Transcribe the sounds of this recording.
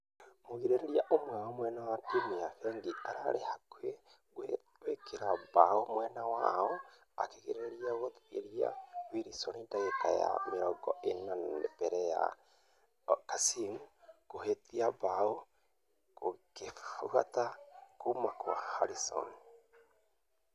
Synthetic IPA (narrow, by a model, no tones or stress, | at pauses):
moɣiɾeɾeɾiaʔomwaɔmwɛnawademiafɛːŋɡiaɾa̰ɾehakwe | wekʰeɾabaomwɛnawaɔ | a̰keɣiɾeɾiaɣoḛɾia̰wiɾisɔnindaɣeka̰ja̰meɾɔɡɔenab̥ɛɾɛja̰ | kasimukohetiabao | kokefuɣatakomakwahaɾisɔ̰ni